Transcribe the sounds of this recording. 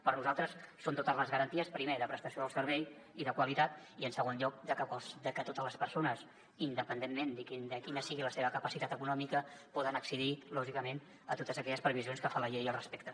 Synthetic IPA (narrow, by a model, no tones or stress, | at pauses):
pəɾnuzalˠt̪ɾəsːont̪ot̪əzləzɣəɾənt̪iəspɾimeðəpɾəst̪əsioəlˠsəɾβɛj | iðəkwəlit̪at̪ | iənsəɣ̞onʎɔk̚d̪əkəsd̪əkət̪ot̪əzləspəɾsonəs | ind̪əpənd̪emːend̪ikind̪əkinəsiɣiləseβəkəpəsit̪at̪əkunɔmikəpɔðənəksəðilɔʒikəmen | ət̪ot̪əzəkɛʎəspɾəβizionskəfanləʎejiəlˠrəspɛk̚t̪ə